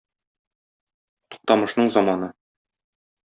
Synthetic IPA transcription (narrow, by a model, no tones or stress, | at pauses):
t̪u̥q̚t̪ɑmɤ̆ʃnɤɴzɒmɑnɤ